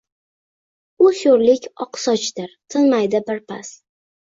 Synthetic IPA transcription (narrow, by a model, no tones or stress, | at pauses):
ʊʃoɾlɪkʲɒqsɒt͡ʃt̪ɪɾt̪ʰɪnmajd̪ɪbɪɾpʰa̰s